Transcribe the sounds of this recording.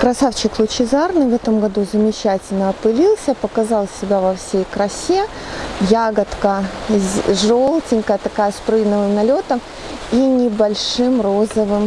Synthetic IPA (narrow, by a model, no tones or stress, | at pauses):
kɾɐsaft͡ɕɪklˠʊt͡ɕɪzarnɨvɛt̪əmɡɐd̪uzəmʲɪt͡ɕætʲɪlʲnəɐpɨlʲilˠsʲəpəkɐzɑlˠsʲɪbʲavɐfsʲejkɾɐsʲe | jaɡət̪kə | ʐolˠtʲɪnʲkəjət̪ɐkajəspɾɨjnəvɨmnɐlʲo̞t̪əm | inʲɪbɐlʲʂɨmro̞zəvɨm